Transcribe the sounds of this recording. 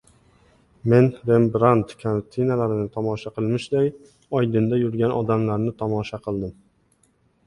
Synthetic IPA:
me̞nɾe̞mbɾant̪kʰaɾt̪ʰɪnalaɾɪnɪt̪ʰɒmɒʃaqʰɨlˠmɪʃd̪aj | ɒjd̪ɪnd̪ajʊɾɡʲanɒ̰d̪amlaɾnɪt̪ʰɒmɒʃaqʰɨlˠd̪ɪm

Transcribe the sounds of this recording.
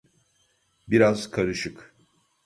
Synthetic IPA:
biɾaz̥kʰaɾɯʃɯk

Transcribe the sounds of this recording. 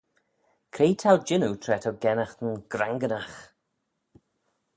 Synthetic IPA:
kʰɾeːtʰald͡ʒɪnutʰɾɛtʰəwɡɛnaxt̪ənɡ̥ɾaŋɡənax

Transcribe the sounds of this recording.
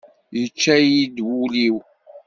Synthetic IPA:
jət͡ʃːæjid̪wuliw

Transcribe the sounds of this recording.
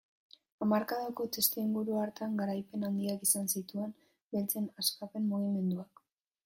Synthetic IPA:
amaɾkaðoko̞t̪est̪eiŋɡuɾuaɾt̪aŋɡaɾajpe̞nand̪iakisansit̪ue̞m | belt͡se̞naskape̞mːuɣ̞ime̞nd̪uak

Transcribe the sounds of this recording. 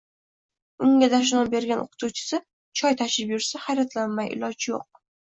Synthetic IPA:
ʊŋɡʲad̪aʃ̬ʊnɒbe̞ɾɡʲanʔo̰qʰʊ̥t̪ʰut͡ʃʰɪ̥sɪ | t͡ʃʰɒjt̪ʰaʃɪpjʊɾsahajɾat̪ʰlanmajʔɪ̰lɒd͡ʒjoq̚

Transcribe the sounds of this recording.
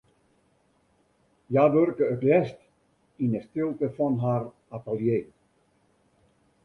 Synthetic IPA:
jaːʋørkəətlɛst | inəstɪlˠtəfɔnɦar | atəlˠjeː

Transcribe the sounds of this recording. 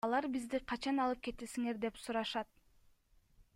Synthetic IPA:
ɑlˠɑɾbizd̪iqʰɑt͡ʃɑnɑlˠɯp̚ke̞t̪esiŋe̞ɾd̪e̞psuɾɑʃɑt̪̚

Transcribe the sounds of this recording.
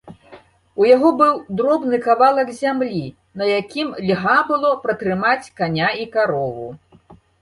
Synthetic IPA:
ujaɣɔbɨwd̪ɾɔbnɨkavalˠɐkzʲamlʲi | nɐjakʲimlʲɣabɨlˠɔpɾɐt̪ɾɨmat͡sʲkanʲaikaɾɔvṵ

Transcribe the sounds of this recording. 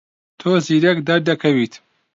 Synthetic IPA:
t̪ʰoːziːɾɐkd̪ɐɾd̪ɐkʰɐwit̪

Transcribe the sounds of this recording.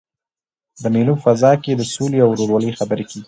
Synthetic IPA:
d̪əmelufazɑked̪əsoleawɾoɾwɑləjxabəɾekeɡi

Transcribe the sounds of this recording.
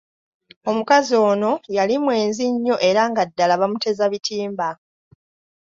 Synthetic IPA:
o̞mukazio̞ːno̞jalimwe̞ːnziɲːo̞ʔe̞ɾaŋɡadːalaβamute̞zaβitʰiːmba

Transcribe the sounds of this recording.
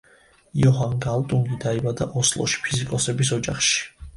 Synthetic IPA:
ijɔɦanɡalˠt̪ʼuŋɡid̪aibad̪a̰ʔɔslˠɔ̰ʃi̥pʰizikʼɔsɛbisɔd͡ʒa̰χʃi̥

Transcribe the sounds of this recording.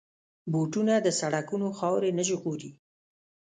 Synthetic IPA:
boʈunad̪əsaɽakunoxɑwɾenəʒɣoɾi

